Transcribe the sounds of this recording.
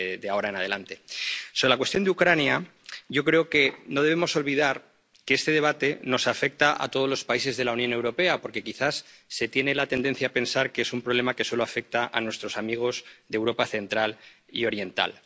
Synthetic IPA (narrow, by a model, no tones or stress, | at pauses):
ðeao̞ɾae̞nað̞e̞lant̪e̞so̞βɾelakwe̞st̪jo̞nd̪eukɾanja | ʝo̞kɾe̞oke̞no̞ð̞e̞β̞emo̞so̞lβið̞aɾ | keest̪e̞ð̞e̞β̞at̪e̞no̞safe̞k̚t̪aʔa̰t̪oð̞o̞zlo̞spaise̞zðe̞launjõ̞ne̞wɾo̞pe̞apo̞ɾke̞kiθasːe̞t̪je̞ne̞lat̪e̞nd̪e̞nθjaːpe̞nsaɾkeesumpɾo̞βle̞make̞so̞loafe̞k̚t̪aʔa̰nwe̞st̪ɾo̞samiɣ̞o̞zðewɾo̞paθe̞nt̪ɾal | io̞ɾje̞nt̪a̰l